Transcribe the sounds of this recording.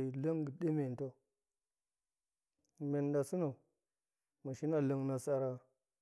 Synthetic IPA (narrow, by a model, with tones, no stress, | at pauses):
lə˦ŋɡə˨di˦me˨n˨to˦˨ | me˨nda˨su˦na˨ | ma˨ʃi˦na˨lə˦ŋna˨sa˦ɾa˦